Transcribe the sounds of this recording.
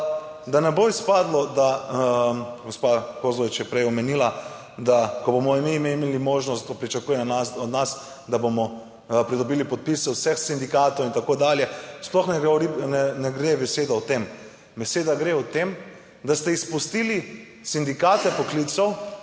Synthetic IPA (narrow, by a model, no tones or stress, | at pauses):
d̪anɛboispaːd̪lɔd̪a | ɡospakoɾzlɔʋit͡ʃjɛpɾɛjɔmɛniːla | d̪akɔbomɔimiːmeimelimoːʒnɔst̪opɾit͡ʃakujɛnanasɔd̪nas | d̪abomɔ | pɾid̪ɔbilipɔt̪̚pisɛwsɛxsind̪ikaːt̪owint̪akod̪aːljɛsplɔxnɛɡɾinɛnɛɡɾebɛseːd̪awt̪em | bɛseːd̪aɡɾeɔt̪em | d̪ast̪ɛispust̪ili | sind̪ikaːt̪ɛpɔklit̪sɔw